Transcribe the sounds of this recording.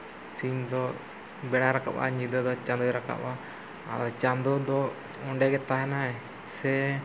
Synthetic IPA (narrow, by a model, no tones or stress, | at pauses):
siɲd̪ɔ | bɛɽaɾaka̰ʔa̰ɲid̪ɔd̪ɔt͡ʃãnd̪ɔɾaka̰ʔa | ad̪ɔt͡ʃand̪ɔd̪ɔ | ɔɳɖɛɡɛt̪aɦɛnaɛ | sɛ